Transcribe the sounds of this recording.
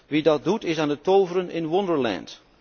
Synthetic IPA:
ʋidɑt̚dutɪsaːndətowvəɾənɪnwɔndəɹlɛ̰nt

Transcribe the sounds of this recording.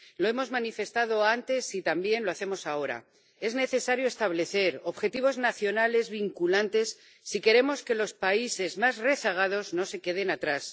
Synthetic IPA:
lo̞e̞mo̞zmanife̞st̪að̞o̞ant̪e̞sit̪ambje̞nlo̞aθemo̞sao̞ɾa̰ | e̞zne̞θe̞saɾjoe̞st̪aβle̞θe̞ɾo̞βxe̞t̪iβ̞o̞znaθjo̞nale̞zβiŋkulant̪e̞sː | ike̞ɾe̞mo̞ske̞lo̞spaise̞zmazre̞saɣ̞að̞o̞zno̞se̞ke̞ð̞e̞nat̪ɾas

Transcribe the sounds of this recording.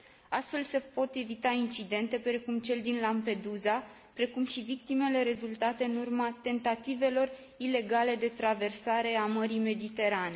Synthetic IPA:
ast̪fe̞lse̞po̞t̪e̞vit̪aint͡ʃid̪e̞nt̪e̞pɾe̞kumt͡ʃe̞ld̪inlampe̞d̪uza | pɾe̞kumʃivik̚t̪ime̞le̞ɾe̞zult̪at̪e̞ɨnurmat̪e̞nt̪at̪ive̞lo̞r | ile̞ɡale̞d̪e̞t̪ɾave̞rsaɾe̞aməɾime̞d̪it̪e̞ɾane̞

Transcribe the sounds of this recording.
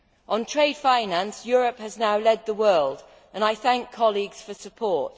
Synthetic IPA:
ʔə̃ntʰɹ̥eɪd̥fãɪ̃nãnsjɔːɹəphəznaʊlɛd̪̚ðəwɜːlˠd | ə̃naɪθãŋkʰːɒliɡz̥fəsəpʰɔˑt

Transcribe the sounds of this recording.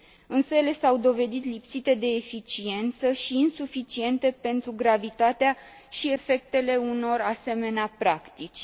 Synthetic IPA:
ɨnsəjele̞sawd̪o̞ve̞d̪it̪lipsit̪e̞d̪e̞ːfit͡ʃie̞nt̪səʃiːnsufit͡ʃie̞nt̪e̞pe̞nt̪ɾuɡɾavit̪at̪ea | ʃie̞fe̞k̚t̪e̞le̞uno̞ɾase̞me̞neapɾakt̪it͡ʃʲ

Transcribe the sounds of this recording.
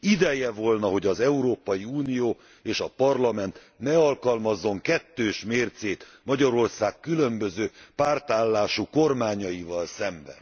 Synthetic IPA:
id̪ɛjɛvo̞lnɒɦo̞ɟɒzɛuɾoːpɒjiuːnijoː | eːʃɒpɒrlɒmɛnt̪ | nɛɒlkɒlmɒzːo̞ŋkɛt̪ːøːʃmeːrt̪seːt̪ | mɒɟɒɾo̞rsaːkːylø̞mbø̞zøːpaːrt̪aːlːaːʃuko̞rmaːɲɒjivɒlsɛmbɛ̰n

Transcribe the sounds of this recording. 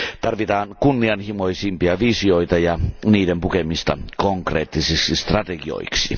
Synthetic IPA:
t̪ɑrʋit̪ɑːnkunːiɑnhimo̞isimpiɑʋisio̞it̪ɑjɑniːdempukemist̪ɑ̰koŋkreːt̪ːisiksist̪rɑt̪eɡio̰iksi

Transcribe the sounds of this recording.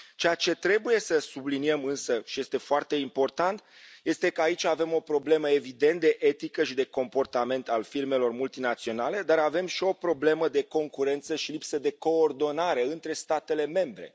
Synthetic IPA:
t͡ʃeat͡ʃe̞t̪ɾe̞buje̞səsubliniemɨnsəʃije̞st̪e̞foart̪e̞impo̞rt̪ant̪je̞st̪e̞kəait͡ʃʲave̞mo̞pɾo̞ble̞məe̞vid̪e̞nt̪̚d̪e̞ʔet̪ikəʃid̪e̞ko̞mpo̞rt̪ame̞nt̪alfirme̞lo̞rmult̪inat̪sio̞nale̞d̪aɾave̞mʃio̞pɾo̞ble̞məd̪e̞ko̞ŋkuɾe̞nt̪səʃilipsəd̪e̞ko̞ːrd̪o̞naɾe̞ɨnt̪ɾe̞st̪at̪e̞le̞me̞mbɾe̞̰

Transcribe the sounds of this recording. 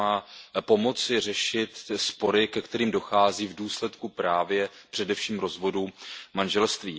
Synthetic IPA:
aːpo̞mo̞t͡sɪr̝ɛʃɪt̪spo̞ɾɪkɛkt̪ɛɾiːmdo̞xaːziːvduːslɛt̪kupɾaːvjɛpr̝̥ɛdɛfʃiːmɾo̞zvo̞dumanʒɛlst̪viː

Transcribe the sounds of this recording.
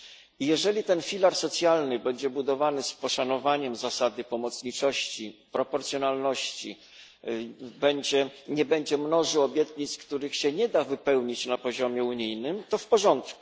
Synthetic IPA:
ijɛʐɛlʲit̪ɛnfʲilaɾsɔt̪sʲjalnɘbɛɲd͡ʑɛbud̪ɔvanɘspɔʂanɔvaɲɛmzasad̪ɘpɔmɔt̪sɲit͡ʂɔɕt͡ɕipɾɔpɔɾt̪sʲjɔnalnɔɕt͡ɕḭ | bɛɲd͡ʑɛɲɛbɛɲd͡ʑɛmnɔʐɘɔbʲjɛt̪ɲit̪skt̪uɾɘxɕɛɲɛd̪avɘpɛwɲit͡ɕnapɔʑɔmʲjɛuɲijnɘmt̪ɔfpɔʐɔnt̪kuu̥

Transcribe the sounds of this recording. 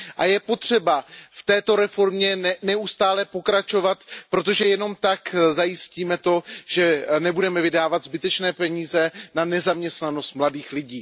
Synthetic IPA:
ʔajɛpo̞t̪r̝̥ɛbaft̪ɛːt̪o̞ɾɛfo̞ɾmɲɛɛnɛust̪aːlɛpo̞kɾat͡ʃo̞vat̪pɾo̞t̪o̞ʒɛjɛno̞mt̪akzajɪsciːmɛt̪o̞ʒ̥ɛnɛbudɛmɛvɪdaːvat̪zbɪt̪ɛt͡ʃnɛːpɛɲiːzɛnanɛzamɲɛst̪nano̞st̪mladiːxlɪɟiː

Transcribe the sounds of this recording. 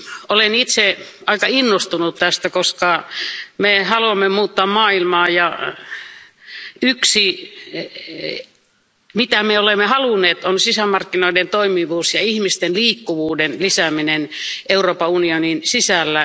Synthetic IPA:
olenit̪seʔɑikɑinːost̪unut̪t̪æst̪ækoskɑmehɑluɑmːemuːt̪ːɑːmmɑːilmɑːjɑ | yksi | mit̪æmeolemːehɑlunːˑeːt̪onsisæmɑrkːinoident̪oimiʋuːsjɑihmist̪enliːkːuʋuːdenlisæminenʔeuroːpɑunioninsisælːæ

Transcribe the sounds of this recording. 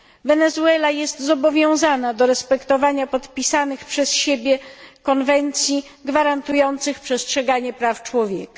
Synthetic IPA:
vɛnɛzuɛlajɛst̪zɔbɔvʲjɔ̃w̃zanad̪ɔɾɛspɛkt̪ɔvaɲapɔt̪pʲisanɘxpʂɛsɕebʲjɛkɔnvɛnt̪sʲji | ɡvaɾant̪ujɔnt̪sɘxpʂɛstʂɛɡaɲɛpɾaft͡ʂwɔvʲjɛ̰ka

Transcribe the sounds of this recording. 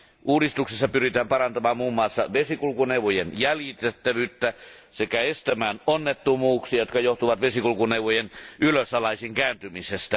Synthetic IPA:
uːdist̪uksesːɑpyrit̪æːmpɑrɑnt̪ɑmɑːmmuːmːˑɑːˑsːɑ̰ʋesikulukuneuʋˑojenjæljit̪et̪ːæʋyːt̪ːæ | sekæest̪æmæːnonːet̪ːumuːksiɑjot̪kɑjoht̪uʋɑt̪ʋesikulukuneuʋˑojenyløsɑlɑisiːŋkæːnt̪ymisest̪æ

